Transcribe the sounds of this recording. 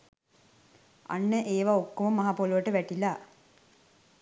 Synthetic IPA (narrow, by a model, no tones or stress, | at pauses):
a̰nːəʔeːʋaokːoməmaɦapoluʋəʈəʋæʈila